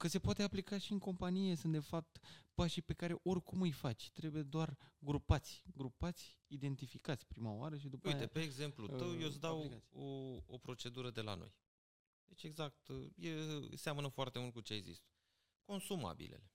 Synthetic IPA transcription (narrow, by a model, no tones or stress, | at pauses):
kəse̞poat̪e̞aplikaʃiɨŋko̞mpanije̞sɨnt̪d̪e̞fap̚t̪paʃipe̞kaɾe̞ʔo̞rʲkumɨjfat͡ʃʲt̪ɾe̞buje̞d̪oarɡɾupat̪sʲɡɾupat̪sʲid̪e̞nt̪ifikat̪sʲpɾimaoaɾəʃ̬id̪upujt̪epeːɡze̞mplut̪əwjesd̪awaoo̰pɾo̞t͡ʃe̞d̪uɾəd̪e̞la̰no̞̰j | d̪e̞t͡ʃʲe̞ɡzak̚t̪jḛseamənəfoart̪e̞mult̪̚kut͡ʃeeɡzḭst̪ | ko̞nsuma̰bḭlḛle̞